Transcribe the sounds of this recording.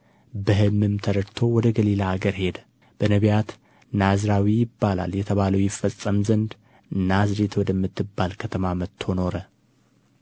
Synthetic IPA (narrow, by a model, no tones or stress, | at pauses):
bɨɦɨmːɨmt̪ʰəɾəɾt̪ʰo̞wɔd̪əɡəlilaːɡəɾhe̞d̪ | b̥ənəβjat̪ | nazɾawijɪbːala̰ljɛt̪ʰəβaləwjɪfːəsʼːəmzənd̪ | ɨnːazɾet̪ʰwɔd̪əmːɨt̪ːɨbːalkʰət̪ʰəmamət̪ʰːo̞no̞ɾə